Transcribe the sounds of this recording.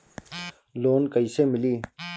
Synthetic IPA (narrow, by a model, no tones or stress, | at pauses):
loːnkəiseːmɪliː